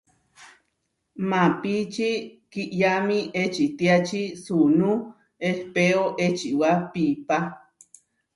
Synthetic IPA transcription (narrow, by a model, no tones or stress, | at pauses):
mapit͡ʃikiʔjamĩʔet͡ʃit̪iat͡ʃisunũ | ehpeoʔet͡ʃiʔwapipa